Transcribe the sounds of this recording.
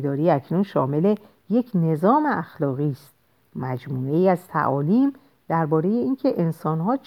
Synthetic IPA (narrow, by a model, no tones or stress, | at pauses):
d̪ɒːɾiːæcʰnunʃɒ̰ːme̞le | je̞cʰne̞zɒːmeæxlɒːɣiːst̪̚ | mæd͡ʒmuːe̞iːæzt̪ʰæ̰ʔɒːliːm | d̪̥æɾbɒːɾe̞jeiːncʰe̞ʔensɒːnɦɒːt͡ʃ